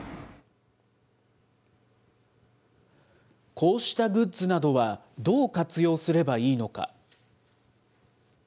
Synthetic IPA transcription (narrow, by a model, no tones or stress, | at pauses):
kʰo̞ːɕi̥t̪aɡɯ̟tt͡sɨnad̪o̞βa | d̪o̞ːkat͡sɨjo̞ːsɨɾe̞baiːno̞ka̰